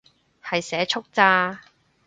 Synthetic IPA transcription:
hɐ˨jsɛː˨˥t͡ʃʰʊ˥k̚t͡saː˧˥

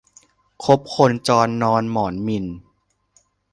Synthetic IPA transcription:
kʰo˦˥p̚kʰo˧nt͡ɕɔː˧nːɔː˧nmɔː˩˦nmi˧n

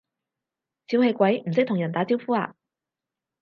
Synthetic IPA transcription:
t͡si˧˥whe˧jkʷɐ˨˥jm̩˨˩sɪ˥k̚t̪ʊ˨˩jɐ˨˩nt̪aː˨˥t͡siː˧˥wfuː˥a̰ː˧

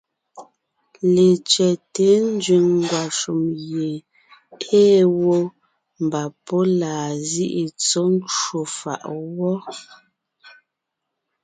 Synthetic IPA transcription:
le˨t͡ʃɛ˨te˨˦n̩˦d͡ʒɥi˨ŋŋ˨ɡwa˨ʃu˨mje˨ | eː˦wo˦ | m˨ba˨pɔ˦laː˨zi˦ʔi˨t͡so˦n˦t͡ʃwo˨fa̰˨ʔwɔ˦

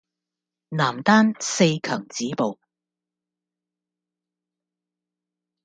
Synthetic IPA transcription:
naː˨˩mt̪aː˥nse˧jkʰœː˨˩ŋt͡siː˨˥po˨w

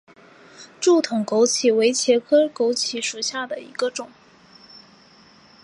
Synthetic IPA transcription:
ʈ͡ʂu˥˩t̪ʰʊ˨˩ŋko˧˥ʊt͡ɕʰi˧˥we˧˥ɪt͡ɕʰjɛ˧˥kʰɤ˥ko˧˥ʊt͡ɕʰi˧˥ʂu˨˩ɕja˥˩d̪ə˩ḭ˧˥ɡə˧ʈ͡ʂʊ˨˩˦ŋ

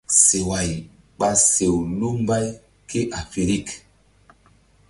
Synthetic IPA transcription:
se˨wa˨j | ɓa˨se˨wlu˦m˦ba˦j | kʰe˦ʔa˨fe˨ɾi˦˨k

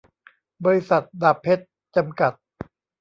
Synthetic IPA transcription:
bɔː˧ɾi˦˥sa˨˩t̪̚daː˨˩pʰːe˦˥t̪̚ | t͡ɕa˧mka˨˩t̪̚

